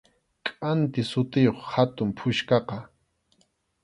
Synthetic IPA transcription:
kʼant̪ɪsʊt̪ɪjoχhat̪ʊmpʰʊʃkɑqɑ

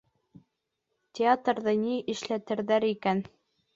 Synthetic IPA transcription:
tʲeat̪rðɤniʔɘ̆ʃlæt̪ɘ̆ɾðæɾikæn

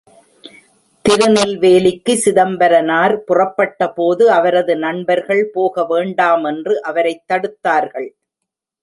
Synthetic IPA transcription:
t̪ɪɾɯnɐlʋeːlɪkːɯsɪðɐmbɐɾɐnaːɾpʊrɐpːɐʈːɐpoːðɯɐʋɐɾɐðɯnɐɳbɐɾɣɐɭpoːɣɐʋeːɳɖaːmɛndrɯʔɐʋɐɾɐɪt̪ːɐɽɯt̪ːaːɾɣɐɭ

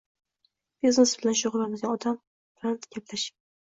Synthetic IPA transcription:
bezosbɪlanʃoʁʊlamɪzɡʲaɒd̪am | pɾant̪ɡʲaplaʃɪ̥

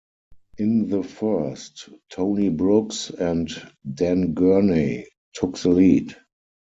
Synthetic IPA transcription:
ʔɪ̃nðəfɜ˞stʰõʊ̃nibɹʊksɛ̃ntdæ̃nɡɜ˞ne | tʰʊkðəliːd

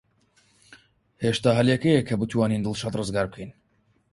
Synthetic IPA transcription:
heʃt̪aːɦɐljɛkejekʰːɐbɨt̪waːniːnd̪ɨlˠʃat̪rɨzɡaːɾb̚kʰejn

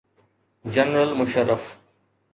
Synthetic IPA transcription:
d͡ʒɐnɾəlmʊʃəɾːəf

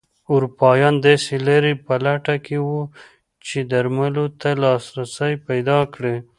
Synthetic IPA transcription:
uɾupɑjɑnd̪ɑselaɾepalaʈakʰewu | t͡ʃed̪aɾmalot̪alɑsɾasəjpajd̪ɑkɽe

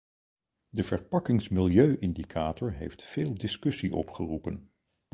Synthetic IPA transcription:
dəv̥əɹpɑkɪŋsmɪlˠjøɥʔɪndikʰaːtɔɹɦḛjftfeːlˠdɪskɵsiʔɔpχərupən

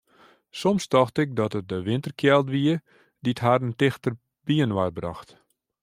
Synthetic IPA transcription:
sɔmstɔxtɪk̚dɔtət̚dəʋɪntərkʰjɛlˠtʋiə | ditɦarəntɪxtər | b̥iənwarbrɔ̰xt

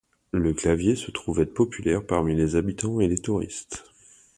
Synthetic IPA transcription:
ləklavjesət̪χuvɛpɔpʰylɛʁpaʁmilezabit̪ɑ̃elet̪uʁḭst̪

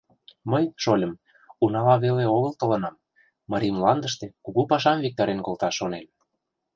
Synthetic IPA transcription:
məjʃolʲə̆m | unɑlɑβeleoɣəlt̪ɤ̆lɤ̆nɑmː | ɑɾimlɑnd̪əʃt̪ekuɣupɑʃɑmvik̚t̪ɑɾenkolˠt̪ɑʃonel

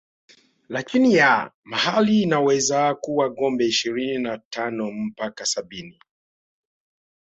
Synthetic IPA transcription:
lakinija | mahaliːnawɛzakuwaɠɔmbɛiʃiɾininatanɔm̩pakasaɓini

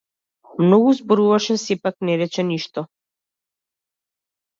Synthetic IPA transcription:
mnɔɡuzbɔɾuvaʃɛsɛpaknɛɾɛt͡ʃɛniʃt̪ɔ

